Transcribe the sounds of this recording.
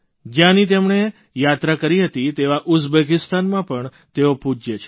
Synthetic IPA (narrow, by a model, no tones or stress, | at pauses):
d͡ʒjãnit̪emɳe | jat̪ɾakəɾiɦət̪it̪eʋaʔʊsbekɪst̪anmãpəɳ | t̪eopud͡ʒjet͡ʃʰe